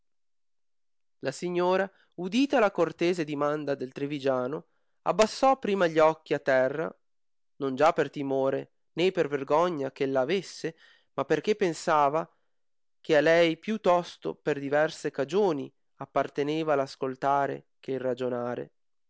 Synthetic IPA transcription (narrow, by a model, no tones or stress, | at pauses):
lasiɲːoːɾa | ud̪iːt̪alakort̪eːzed̪imand̪ad̪elt̪ɾevid͡ʒaːno | a̰bːasːɔpːɾiːmaʎːiɔkːiat̪ːɛrːa̰ | nond͡ʒapːert̪imoːɾe | neperverɡɔɲːak̟elːaːvesːe | mapːerk̟epːensaːva | k̟ealɛjpjut̪ːɔst̪o̰perd̪ivɛrsekad͡ʒoːni | apːart̪eneːvalaskolt̪aːɾḛ | kerad͡ʒonaːɾḛ